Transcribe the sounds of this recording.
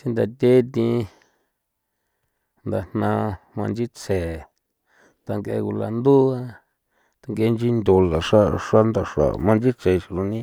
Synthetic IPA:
si˦nd̪a˨t̪ʲe˦t̪ĩ˧ | nd̪a˨n̥nã˧mã˧nd͡ʒi˦t͡sʰe˨ | t̪a˧ŋɡḛ˧ku˧la̰˧nd̪u˦a˦ | t̪a˧ŋɡe˧nd͡ʒi˦nd̪ʲo˧la˨ʂa˦˧ʂa˦nd̪a˧˨ʂa̰˨mã˧nd͡ʒi˦t͡se˨ʃi˧lu˧nĩ˦

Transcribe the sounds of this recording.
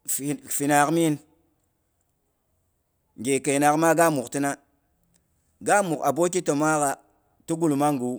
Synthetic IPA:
fi˨na˨kmi˦n | ŋɡe˨ke˨jna˨kma˦ɡa˦mu˨kti˦na˦ | ɡa˦mu˨ka˨bo˦k̬i˦to˨ma˦ka˨ | tu˦ɡu˦˨lma˦ŋɡu˨˦

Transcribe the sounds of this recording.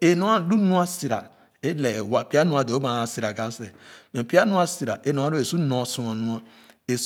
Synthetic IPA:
e˨nu˦a˦du˦nu˦a˦si˨ɾa̰˨ | e˦le˨wa˦˨pi˦a˦nu˦a˦˨do˨o˦ba˨na˨si˨ɾa˨ɡa˦se˨me˨pi˦a˦nu˦a˦si˨ɾa̰˨e˦nu˦a˦ɾo˦e˨su˦no˨su˨a˨nu˦a˦ | e˨s

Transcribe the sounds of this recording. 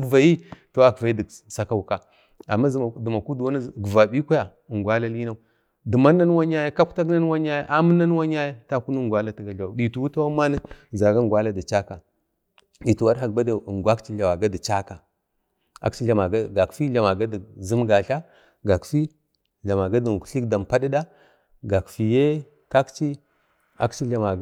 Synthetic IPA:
kva˨ji˦to˦wa˦kva˨i˦di˨sa˨ka˦u˨ka˨ | a˨mːa˦zdu˨ma˨ku˦dwa˦n˦˨ɡə˨va˨ɓi˦kʷa˦ja˨ŋɡʷa˦la˦li˦na˦u˦ | di˨ma˦nːa˦n˦wa˦ɲa˦ja˦ka˦kta˦kna˦n˦wa˦ɲa˦ja˦ʔa˦mə˦na˦n˦wa˦ɲ˦a˦ja˦ta˦ku˦nu˦ŋɡʷa˦la˦ti˨ɡa˨ɬa˨ɗi˨tu˨wu˦ta˦wa˦ma˦na˦za˨ɡa˦ŋɡwa˦la˦da˨t͡ʃa˦ka˨ | ɗi˨tu˨wa˦ɾɦa˨kba˦da˨ŋɡʷa˦kt͡ʃi˦ɮa˨wa˨ɡa˦di˨t͡ʃa˦ka˨ | a̰˨kt͡ʃi˦ɬa˨ma˨ɡa˦ɡa˨kfi˦ɮa˨ma˨ɡa˦dzi˦mɡa˨ɬa˦ | ɡa˨kfi˦ | ɮa˨ma˨ɡa˦di˨kɬi˦kda˨mpa˦di˦da˦ | ɡa˨kfi˨je˦ | ka˦kt͡ʃi˦ | a̰˦kt͡ʃi˦ɮa˨ma˨

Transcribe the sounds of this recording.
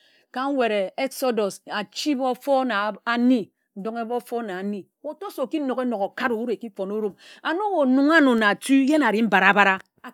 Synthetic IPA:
ka˨ŋ̩˦we˨ɾe˨e˦kso˦do˨sa˨t͡ʃi˦bo˦fo˦na˨a˨ni˦ | n̩˦do˦ŋe˦bo˦fo˦na˨a˨ni˦ | o˨to˦so˨ki˦no˨ke˦no˨ko˨ka˦ɾo˨u˦ɾe˨ki˦fo˨no˦ɾo˦ma˨no˦wo˨nu˨ŋa˦no˨na˨tu˦je˦na˨ɾi˦m̩˦ba˨ɾa˨ba˦ɾa˦˨

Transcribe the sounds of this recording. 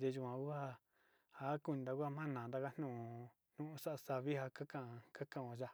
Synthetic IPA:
d̪e˧ʒu˧˨ã˧ku˦ha˦˧ | ha˦ku˧nĩ˧d̪a˧ku˦a˦˧mã˦nãː˨d̪a˦˧ka˦n̥ũ˦˨˧ | n̥ũ˦ʔũ˧˦sa˦ʔa˧sa˧βi˦ha˧ka˦kã˧˨˧ka˦kã˧ʔõ˧ʒa˧

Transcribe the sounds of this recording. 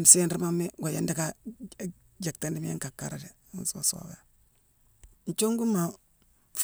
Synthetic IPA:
m˨se˦nɾi˦ma˦mːe˦ɡa˨ja˦nda˦ka˦ | d͡ʒa˨k̚ta˦ndi˦m˦je˦ŋka˨kːa̰˦ɾa˨dḛ˨˦n˦swa̰˨so̰˨ɡa˦ | n̩˨t͡ʃo˦ŋɡu˦mːa˨ | f

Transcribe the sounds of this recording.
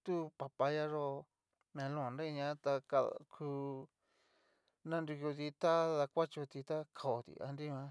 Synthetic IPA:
t̪u˦pa˧pa˧ja˦ʐo˦ | mẽ˧lõ˦ã˨nɾe˦˧ɲã˧˦t̪a˧ka̰˧kʰu˧ | nã˦ndu˧ko˧t̪i˧t̪a˦ða˧kʷa˦t͡ʃo˧t̪i˧t̪a˦kʰa˨o˨t̪ḭ˧a̰˧nɾi˦mã˧˦

